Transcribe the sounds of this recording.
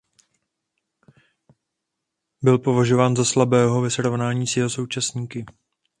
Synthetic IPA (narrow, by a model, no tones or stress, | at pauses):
bɪlpo̞vaʒo̞vaːnzaslabɛːɦo̞vɛsɾo̞vnaːɲiːsjɛɦo̞so̞wt͡ʃasɲiːkɪ